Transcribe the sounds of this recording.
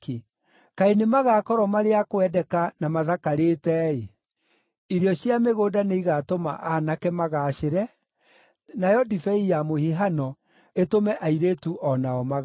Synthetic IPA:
k | kaenemaɣaːkɔɾɔmaɾeakoɛdɛkanamaðakaɾeːtɛe | iɾjɔɕjameɣoːdaneiɣatoma̰ʔanakɛmaɣaɕeɾɛ | najɔdifɛijamohiɦanɔ | etomɛʔaiɾeːtuʔɔnaɔmaɣ

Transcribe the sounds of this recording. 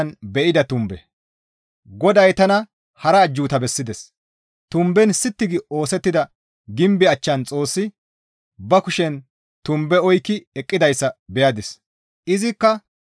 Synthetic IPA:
nbɛʔɪd̪ɐt̪ʊmbɛ | ɡɔd̪ɐjt̪ɐnɐ | hɐɾɐːd͡ʒːuːt̪ɐbɛsːɪd̪ɛs | t̪ʊmbɛnsɪt̪ːɪɡɪo̞ːsɛt̪ːɪd̪ɐ | ɡɪmbɪɐt͡ʃːɐnt͡sʼo̞ːsːɪ | bɐkʊʃɛn | t̪ʊmbɛɔjkːɪɛkʼːɪd̪ɐjsːɐbɛjad̪ɪs | ɪzɪkːɐ

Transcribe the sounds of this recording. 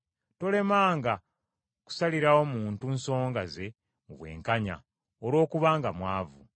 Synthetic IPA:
to̞le̞maːŋɡa | ku̥saliɾawo̞muːntunso̞ːŋɡaze̞ | muβwe̞̰ːŋkaɲa̰ | oɾo̞ːkuβaːŋɡamwaːvu

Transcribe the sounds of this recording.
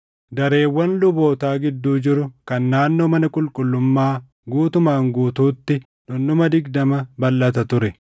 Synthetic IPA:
d̪ɐɾe̞ːwːɐnlʊbo̞ːt̪aːɡɪd̪ːuːd͡ʒɪɾʊkɐnːaːnːoːmɐnɐkʼʊlkʼʊlːʊmːaː | ɡuːt̪ʊmaːŋɡuːt̪uːt̪ːɪ | nʊnːʊmɐd̪ɪɡd̪ɐmɐbɐlːɐt̪̬ɐt̪ʊɾɛ

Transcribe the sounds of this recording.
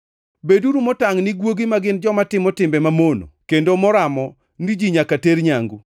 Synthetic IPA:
beduɾumɔtaŋnɪɡwoɡimaɡɪnd͡ʒɔmatɪmɔtɪmbɛmamono̰kendomɔɾamɔ | nid͡ʒiɲakateɾɲaŋɡu

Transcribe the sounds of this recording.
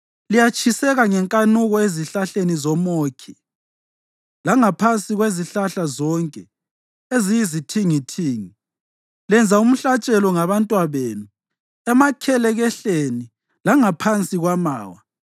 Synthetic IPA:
lijat͡ʃʼʰisɛɣaŋɛŋkʼanuɣɔeziɬaɬenizɔmoːkʰi | laŋapʰant͡sʼiɣweziɬaɬazɔŋkʼɛ | ezijizitʰiŋitʰiːŋi | lɛnd͡zʱaum̩ɬat͡ʃʼɛlɔŋaβantʼwaβeːnu | ɛmakʰɛlɛɣɛɬeni | laŋapʰant͡sʼiɣwama̰ːwa

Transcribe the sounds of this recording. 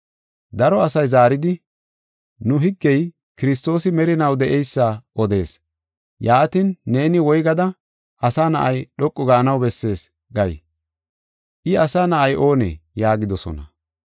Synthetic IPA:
d̪ɐɾɔɐsɐjzaːɾɪd̪ɪ | nʊɦɪɡːɛj | kɪɾɪs̬t̪o̞ːsɪmɛɾɪnɐwd̪ɛʔɛjsːaʔɔd̪e̞ːs | jaːt̪inːe̞ːnɪwɔjɡɐd̪ɐ | ʔɐsaːnɐʔɐjɗɔkʼːɔɡɐːnɐwbɛsːe̞ːs | ɡɐj | ʔɪɐsaːnɐʔɐjʔo̞ːnɛ̰jaːɡɪd̪ɔsɔ̰nɐ̰

